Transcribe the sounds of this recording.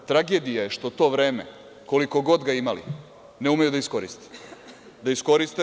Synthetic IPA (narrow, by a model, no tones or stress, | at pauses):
t̪ɾaɡe̞d̪ijajeʃt̪o̞t̪o̞ːʋɾe̞ːmḛ | ko̞liko̞ɡo̞d̪ɡaimalḭ | neumejud̪aisko̞ɾist̪i̥ | d̪aisko̞ɾist̪e